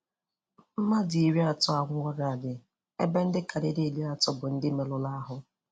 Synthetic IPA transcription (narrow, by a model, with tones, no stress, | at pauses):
m̩˦ma˦di˨i˨ɾi˦a˨tɔ˦a˨ŋʷ˦ɔ˦ɾa˨a˨dɪ˨ | e˦be˦n̩˦dɪ˦ka˨ɾɪ˦de˦˨li˦a˨tɔ˦bʊ˨n̩˦dɪ˦me˨lʊ˦la˦ɦʊ˦